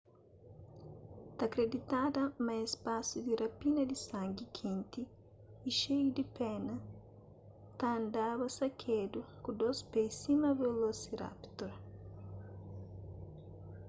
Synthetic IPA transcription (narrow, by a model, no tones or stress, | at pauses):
t̪akɾed̪it̪ad̪ɐmɐespasud̪irapinɐd̪isãŋɡikʰĩnt̪iː | ʃejud̪ipɛnɐ | t̪ãːnd̪aβɐsakʰed̪ukud̪ospejsimɐvelosira̰pt̪oɾ